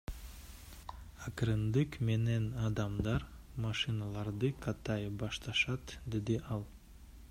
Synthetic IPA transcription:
ɑkɾɯnd̪ɯkme̞ne̞nɑd̪ɑmd̪ɑɾ | mɑʃɨnɑlˠɑɾd̪ɯqʰɑt̪ɑjbɑʃt̪ɑʃɑt̪d̪e̞d̪iʔɑlˠ

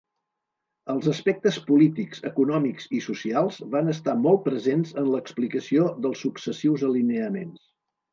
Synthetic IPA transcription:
əlˠzəspɛk̚t̪əspulit̪ikz̥ə̰kunɔmikz̥isusialˠzβanəst̪amɔlˠt̪̚pɾəzenzənləksplikəsioðəlˠsːuksəsiwzəlineəmens

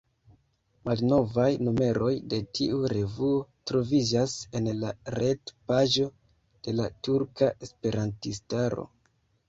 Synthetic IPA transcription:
malno̞vajnume̞ɾo̞jde̞tʰiuɾe̞vuo̞tɾo̞vid͡ʒase̞nlaɾe̞dpaʒo̞ | d̥e̞latuɾkaʔe̞spe̞ɾantistaɾo̞̰

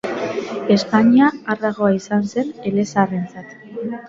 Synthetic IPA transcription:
e̞spaɲiaːrðaɣ̞o̞aisanse̞nele̞sare̞nt͡sat̪

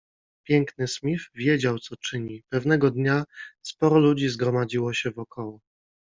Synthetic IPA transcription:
pʲjɛŋknɘsmʲivvʲjed͡ʑawt̪sɔt͡ʂɘɲipɛvnɛɡɔd̪ɲaspɔɾɔlud͡ʑizɡɾɔmad͡ʑiwɔɕɛvɔkʰɔwɔ

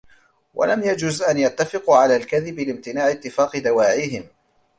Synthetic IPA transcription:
wʔa̰lamjad͡ʒuːzʔanjat̪ːafɪquʕalaːlkaðɪblɪmt̪ɪnaːʕɪt̪ːɪfaːqɨd̪awaːʕɪɦɪm

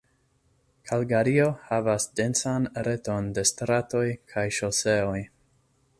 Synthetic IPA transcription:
kʰalɡaɾio̞havasde̞nsanɾe̞to̞nde̞stɾato̞jkʰajʃose̞o̞j

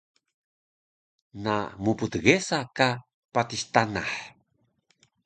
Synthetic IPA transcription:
na̰muput̪ɣesaka | patist̪anaħ

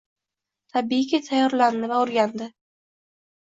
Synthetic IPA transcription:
t̪ʰabiɪɡʲat̪ʰajɒɾland̪ɪvaʊɾɡʲand̪ɪ

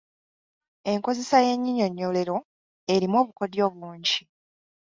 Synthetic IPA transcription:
e̞ŋko̞ze̞saje̞ɲːiɲo̞ɲːo̞le̞ɾo̞ | e̞ɾimo̞ːβuko̞djo̞ːβuːɲɟi

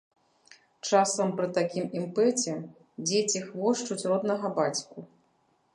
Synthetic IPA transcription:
t͡ʂasɐmpɾɨt̪akʲimimpɛt͡sʲɛ | d͡zʲet͡sʲixvɔʂt͡ʂut͡sʲrɔd̪nɐɣɐbat͡sʲku

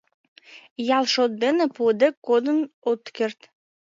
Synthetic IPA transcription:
jɑlˠʃot̪̚d̪enĕpod̪ekːod̪ənot̪kert̪

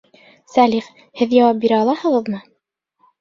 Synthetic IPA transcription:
sæliχ | hɘðjɑwɑp̚biɾæɑlˠɑhɤ̆ʁɤ̆ðmɤ

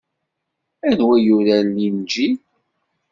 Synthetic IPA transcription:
æðwæjuɾælːind͡ʒi

